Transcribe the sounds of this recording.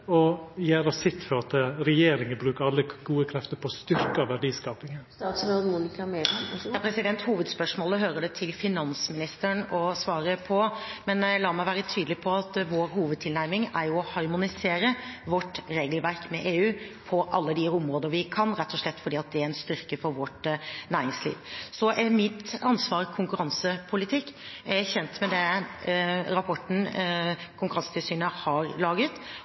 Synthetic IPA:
ɔjæːɾɑsɪt̪ːfɔɾɑt̪ɾɛjeːɾɪŋənbɾʉːkəɾɑlːəɡ̥uːəkʰɾɛft̪əɾpʰɔst̪ʏɾkəɑʋæɖiːskɑːpɪŋənːsmunɪkɑmepʰɾɛsɪd̪ɛnt̪huːʋəd̪spœʂmoːləɦøːɾəɖɛt̪ʰɪlfɪnɑnsmɪnɪst̪əɳɔsʋɑːɾəpʰɔmɛnlɑːmæɪʋæːɾət̪ʰyːd̪lɪpʰɔɑt̪ʋoːɾɦuːʋəd̪̚t̪ʰɪlnæɾmɪŋæɾjʊɔhɑɾmʊnɪseːɾəʋɔʈːɾeːɡəlʋæɾkmɛʔeːʉːpʰɔʔɑlːəd̪ɪʊmɾoːd̪əɾʋɪkʰɑnɾɛt̪ːɔʂɭɛt̪ːfɔɖiːɑt̪̚d̪ɛæɾɛɪnst̪ʏɾkəfɔɾʋɔʈnæːɾɪŋslḭːʋsɔʔɛmɪt̪ɑnsʋɑːɾkʰʊŋkʉɾɑnsəpʰʊlɪt̪ʰɪkːæɾæçɛnt̪mɛd̪ɛ | ɾɑpʰɔʈn̩ | kʰʊŋkʉɾɑnsət̪ɪlsyːnəhɑɾlɑːɡət̪

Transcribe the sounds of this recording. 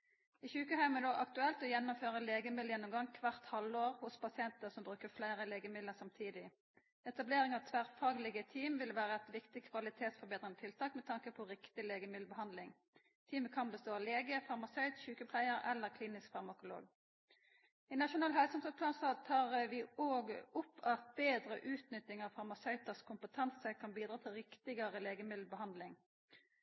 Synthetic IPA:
ɪçʉːkəhæɪmənoːʔɑkt̪ʉɛlt̪ɔjɛnːʊmføːʁəleːɡəmɪd̪ljɛnːʊmɡɑŋkʰʋɑʁt̪hɑloːʁhʊspʰɑsɪɛnt̪əsɔmbʁʉːkəflæɪʁəleːɡəmɪlləsɑmt̪ʰiːd̪ɪ | ɛt̪ɑbleːʁɪŋɑʋt̪ʰʋæʁfɑːɡlɪɡət̪ʰiːmʋɪlʋæːʁəɛt̪ʋɪkt̪ɪkʰʋɑlɪt̪ʰeːt̪sfɔɾbeːd̪ʁɪŋɔt̪ʰɪlt̪ʰɑːkmɛt̪ʰɑŋkəpʰɔʁɪkt̪ɪleːɡəmɪlbəhɑnd̪lɪŋ | t̪ʰiːməkʰɑnbəst̪oːɑleːɡəfɑʁmɑsœʏt̪ʃʉːkəpʰlæɪəɾɛ̰lːəʁkʰliːnɪskfɑʁmɑkʊlo̰ːɡ | ɪnɑʃʊnɑːlɦɛlsɔmsəpʰlɑːnst̪ɑːd̪̚t̪ʰɑːʁʋɪoːɡʊpʰːɑt̪̚beːd̪ʁə̰ʔʉːt̪nʏt̪ɪŋɑʋfɑʁmɑsœʏt̪əʁskʰʊmpət̪ʰɑnsəkʰɑnbiːd̪ʁɑːt̪ʰɪlʁɪkt̪ɪɡəʁəleːɡəmɪd̪l̩bəhɑnd̪lɪŋ

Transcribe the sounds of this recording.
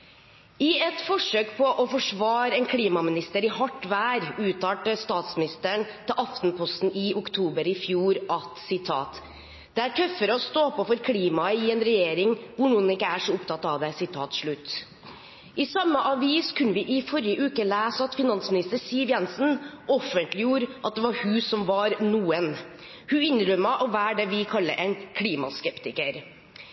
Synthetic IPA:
ɪɛt̪fɔʂøːkpʰɔʔɔfɔʂʋɑːɾəɛnkʰliːmɑmɪnɪst̪əɾɪhɑʈːʋæːɾʉːt̪ʰɑːʈəst̪ɑːt̪smɪnɪst̪əɳt̪ʰɪlʔɑft̪npʰɔst̪n̩ʔɪʊkt̪ʰuːbəɾɪfjuːɾʔɑt̪sɪt̪ʰɑ̰ːt̪ | d̪̥ɛæʈʰœfːəɾɔst̪oːpɔfɔɾkʰliːmɑɪɛnɾɛjeːɾɪŋʋʊɳuːənɪkːəæʂɔʊpt̪ʰɑt̪ːɑʋd̪ɛsɪt̪ʰɑːt̪ʂɭʉt̪ː | ʔɪsɑmːəʔɑʋiːskʰʉnːəʋɪʔɪfɔɾjəʔʉːkəlæːsəɑt̪fɪnɑnsmɪnɪst̪əɾsiːʋjɛnsnɔfənt̪lɪjuːɾʔɑt̪̚d̪ɛʋɑɾhʉsɔmʋɑɾnuːən | hʉɪnɾœmːɑʔɔʋæːɖɛʋɪkʰɑlːəʔɛnkʰliːmɑ̰skɛpt̪ɪkəɾ

